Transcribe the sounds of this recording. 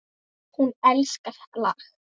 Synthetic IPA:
hunɛlskart̪lax

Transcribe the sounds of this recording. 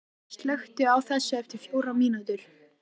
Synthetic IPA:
st̪lœxt̪ʏawθɛsːaɛft̪ɪɾ̥fjowɾamiːnat̪ʏɾ̥

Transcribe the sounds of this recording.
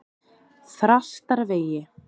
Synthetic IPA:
θɾast̪aɾveːjɪ

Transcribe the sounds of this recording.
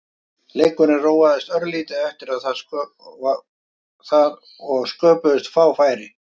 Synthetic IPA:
leːjkʏnɪroːwaðɪst̪œɾliːt̪ɪðɛft̪ɪɾaðθa | θað | ɔɣskœːpʏðʏst̪faːwfaːjɾɪ

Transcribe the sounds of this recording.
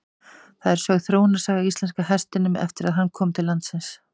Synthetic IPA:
θaðɛɾ̥sœɣθɾoːwnasaːɣaist̪lɛnskaɦɛst̪ɪnʏmɛ̰ft̪ɪɾaðɦanːkʰɔːmt̪ʰɪlːant̪sɪns

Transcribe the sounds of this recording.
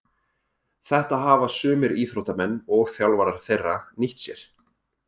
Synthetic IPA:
θɛht̪aɦaːvasʏːmɪɾiːθɾowt̪amɛnːɔɣθjawlvaɾaɾ̥θejrːaniht̪sjɛɾ̥

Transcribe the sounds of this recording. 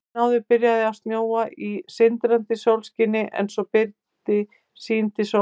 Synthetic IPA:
awðɪpɪɾjaðɪawst̪njoːwaʔisɪnt̪ɾant̪ɪsowlscɪnːɪʔɛ̰nsɔpɪɾt̪ɪ | siːnt̪ɪso

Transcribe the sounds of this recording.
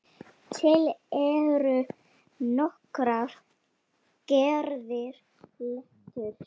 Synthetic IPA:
t̪ʰɪlɛɾʏ | nɔhkɾaɾ | cɛɾðɪɾ̥ | lɛht̪ʏɾ̥

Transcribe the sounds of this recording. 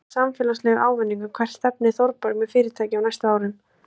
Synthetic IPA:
samfɛːlaslɛɣa̰ːwvɛnːiŋkakʰv̥ɛr̥t̪st̪ɛpnɪθowɾpaɾʏmɛðfɪːɾɪɾ̥t̪ʰaːjcɪawnajst̪aaːwɾɪn

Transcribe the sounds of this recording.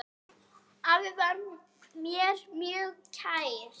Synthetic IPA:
avɪðvaɾ | mjɛɾmjœːɣcʰaːjɾ̥

